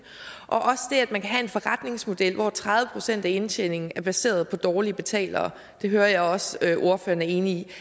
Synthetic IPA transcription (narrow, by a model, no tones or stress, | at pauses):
ʔɒ̽ʔɒ̽sd̥e̝æd̥mænkʰæɦæe̝nfɒ̽ʁɑd̥ne̝ŋsmo̝d̥el̰ʋɒt͡sʰʁɑ̈ðˠʋəpʰʁo̝̥sen̰d̥æe̝nɕʰene̝ŋn̩æɐb̥æse̝̰ːɐð̞ˠpʰɒ̽d̥ɒːliəb̥e̝t͡sʰɛ̰ːlɐ̰ː | d̥e̝ɦøːɐjɑ̈ɪɒ̽sʔo̝ɐfø̰ːɐnæɐe̝ːnii